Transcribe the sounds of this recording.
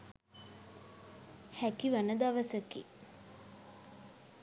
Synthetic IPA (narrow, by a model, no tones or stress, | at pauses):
hækiʋanəd̪aʋəsəkḭ